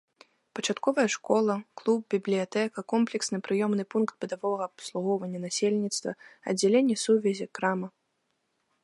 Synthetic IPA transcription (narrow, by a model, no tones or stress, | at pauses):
pɐt͡ʂat̪kɔvɐjɐʂkɔlˠɐklˠub̚bʲiblʲijat̪ɛkɐkɔmplʲɛksnɨpɾɨjɔmnɨpunkt̪̚bɨd̪avɔɣɐːpslˠuɣɔwvɐnʲːɐnasʲelʲnʲit̪st̪vɐ̰ɐ̰dd͡zʲːelʲenʲːɛsuvʲɛzʲikɾamɐ